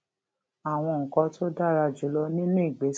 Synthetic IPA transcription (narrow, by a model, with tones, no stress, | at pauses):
a˨w̃ɔ̃˧ŋ̩˨kɔ̃˧tʰo˦da˦˨ɾa˧d͡ʒu˨˦lɔ˧nĩ˦nũ˦i˦˨ɡ͡be˨˦s